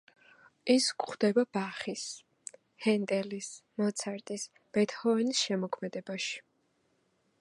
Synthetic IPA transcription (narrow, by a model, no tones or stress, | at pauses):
iskχd̪̥ɛbab̥aχis | hɛnt̪ʼɛlismɔt̪sʰaɾt̪ʼis | b̥ɛt̪ʰhɔɛnisʃɛmɔkʰmɛd̪ɛbaʃi̥